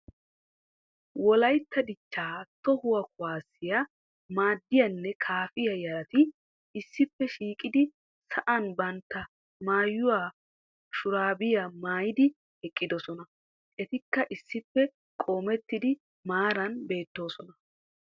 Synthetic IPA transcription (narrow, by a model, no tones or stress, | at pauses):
wɔlɐjt̪ːɐd̪ɪt͡ʃːaːt̪ɔhʊwɐkʊwaːsːɪjɐ | maːd̪ːɪjɐnːɛkʰaːfɪjɐjɐɾɐt̪ɪ | ɪsːɪpːɛʃiːkʼɪd̪ɪ | sɐʔɐnbɐnt̪ːɐ | maːjːʊwaː | ʃʊɾaːbɪjɐmaːjɪd̪ɪ | hɛkʼːɪd̪ɔsɔnɐ | ʔɛt̪ɪkːɐʔɪsːɪpːɛ | kʼoːmɛt̪ːɪd̪ɪ | maːɾɐnbe̞ːt̪ːo̞ːsɔnɐ